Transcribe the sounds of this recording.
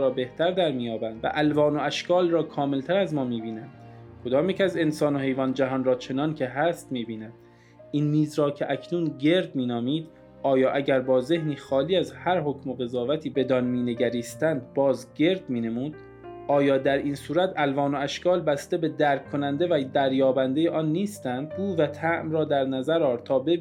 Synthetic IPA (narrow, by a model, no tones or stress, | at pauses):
ɾɒːbe̞ht̪ʰæɾd̪æɾmiːjɒːbænd̪væ̰ʔælvɒːno̞æʃkʰɒːlrɒːkʰɒːme̞lt̪ʰæɾæzmɒːmiːbiːnænd̪̥ | kʰo̞d̪ɒːmjecʲæze̞nsɒːno̞ɦe̞jvɒːnd͡ʒæɦɒːnrɒːt͡ʃʰe̞nɒːncʰe̞ɦæst̪miːbiːnænd̪̥ | ʔinmiːzɾɒːcʰeʔæcʰnuːnɟe̞ɾd̪̚miːnɒːmiːd̪ | ʔɒːjɒːʔæɟæɾbɒːze̞hniːxɒːliːæzhæɾho̞cʰmo̞ɣe̞zɒːvæt̪ʰiːbe̞d̪ɒːnmiːne̞ɟæɾiːst̪ænd̪̚bɒːzɟe̞ɾd̪miːne̞muːd̪̥ | ʔɒːjɒːd̪æɾiːnsuːɾæt̪ʰælvɒːno̞æʃkɒːlbæst̪e̞be̞d̪æːɾkʰːo̞nænd̪e̞væd̪æɾjɒːbænd̪ejeʔɒːnːiːst̪ænd̪̚ɡuːvæt̪ʰæʔmɾɒːd̪æɾnæzæɾɒːɾt̪ʰɒːbeb